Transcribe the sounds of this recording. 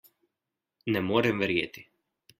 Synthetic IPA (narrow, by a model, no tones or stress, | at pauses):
nɛmɔɾɛmvɛɾjɛt̪i̥